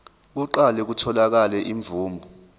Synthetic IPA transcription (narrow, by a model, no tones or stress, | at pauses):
k̬uǃalɛk̬utʰɔlak̬alɛʔiɱbvuːmbʱɔ